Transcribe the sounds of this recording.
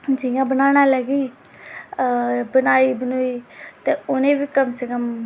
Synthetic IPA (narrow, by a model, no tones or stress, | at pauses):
d͡ʒiãːbənaːñaːləɡiː | bənaːiːbənoːiːt̪eːʊnẽːʋiːkəmsəkəm